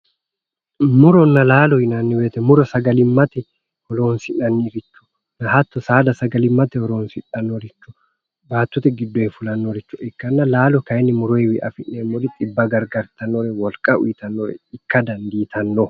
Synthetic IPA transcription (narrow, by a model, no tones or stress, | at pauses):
mʊɾɔnːɐlaːlɔhɪnɐnːɪweːt̪ɛmʊɾɔsɐɡɐlɪmːɐt̪ɛ | hɔloːnsɪnɐnːiɾɪt͡ʃːʊ̥ | nɐhɐt̪ːɔsaːd̪ɐsɐɡɐlɪmːɐt̪ɛhɔɾoːnsɪᶑɐnːoɾɪt͡ʃːʊ̥ | baːt̪ːɔt̪ɛɡɪd̪ːɔɛfʊlɐnːoːɾɪt͡ʃːʊʔɪkːɐnːɐlaːlɔkɐjɪnːɪmʊɾɔjɛwɪʔɐfɪʔeːmːɔɾɪt̪ʼɪbːɐɡɐɾɡɐɾt̪ɐnːoɾɛwɔlkʼːɐʊ̰jɪt̪ɐnːoːɾɛ̰ɪkːɐd̪ɐnd̪iːt̪ʰɐnːo